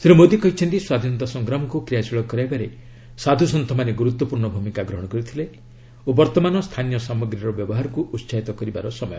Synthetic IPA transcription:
sʰiɾumod̪ikɔɦit͡ʃʰɔnt̪iswad̪ʱinɔt̪ɔsɔŋɡɾamɔkukɾijasiɭɔkɔɾajbaɾe | sad̪ʱusɔnt̪ʰɔmaneɡuɾut̪ːwɔpuɾɳɔbʱumikaɡɾɔɦɔɽ̃ɔkɔɾit̪ʰile | obɔɾt̪ɔmanɔst̪ʰanijɔsamɔɡɾiɾɔbjɔbɔɦaɾɔkuʔutːsaɦit̪ɔkɔɾibaɾɔsɔmɔjɔ

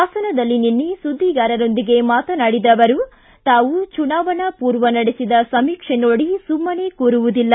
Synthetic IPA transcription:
aːsɐnɐd̪ɐlːininːisud̪ʱːiɡaːɾɐɾo̞nd̪iɡe̞maːt̪ɐnaɽid̪ɐʋɐɾu | t̪aːʋut͡ʃunaːʋɐɳɐpuːɾʋɐnɐɽesid̪ɐsɐmiːkʂenoːɽisumːɐne̞ːkuːɾuʋud̪ilːɐ

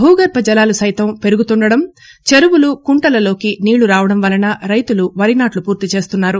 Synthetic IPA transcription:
ɦuːɡɐɾpɐd͡ʒɐlaːlusɐjt̪ɐmpe̞ɾuɡut̪uɳɖɐɽɐm | t͡ʃeɾuʋulukuɳʈɐlɐlo̞ːkiniːɭuɾaːʋɐɽɐmʋɐlɐnɐɾɐjt̪uluʋɐɾinaːʈlupuːɾt̪it͡ʃe̞ːst̪unːaːɾu

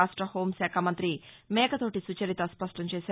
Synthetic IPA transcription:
aːʂʈɾɐho̞ːmsaːkʰamɐnt̪ɾimɛːkɐt̪o̞ːʈisut͡ʃɐɾit̪ɐspɐʂʈɐɲt͡ʃeːsaː

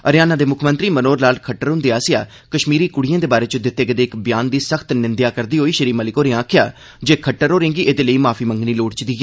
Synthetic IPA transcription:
əɾɪjaːnaːd̪eːmʊkʰmə̃nt̪ɾiːmənoːɾlaːlkʰəʈːəɾɦʊ̃nd̪eːaːsɪja̰ː | kəʃmiːɾiːkʊɽ̤ijãːd̪eːbaːɾeːt͡ʃʊd̪ɪt̪ːeːkəd̪eːɪkbɪjaːnd̪iːsəkʰt̪nɪnd̪jaːkəɾd̪iːɦoːiːʃəɾiːməlɪkoːɾẽãːkʰɪjaː | d͡ʒeːkʰəʈːəɾoːɾẽːŋɡiːʔeːd̪eːləiːmaːpʰiːmə̃ŋɡniːloːɽt͡ʃd̪iːɛː

